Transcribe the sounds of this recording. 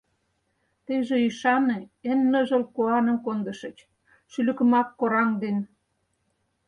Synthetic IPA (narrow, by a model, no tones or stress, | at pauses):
t̪eʒĕyʃɑneenːə̆ʒɤ̆lkoɑnə̆mkond̪ə̆ʃə̆t͡ɕ | ʃylə̆kə̆mɑkːoɾɑŋd̪en